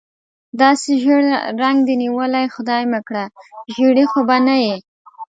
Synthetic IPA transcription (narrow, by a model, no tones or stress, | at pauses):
d̪ɑseʒəɽɾaŋɡd̪əniwəlajxʊd̪ɑjməkɽaʒiɽixobanaji